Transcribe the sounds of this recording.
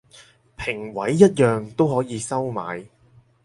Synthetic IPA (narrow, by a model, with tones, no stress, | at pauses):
pʰɪ˨˩ŋwɐ˨˥jːɐ˥t̚jœː˨ŋt̪o˥whɔː˨˥jiː˨˧sɐ˥wma̰ː˨˧j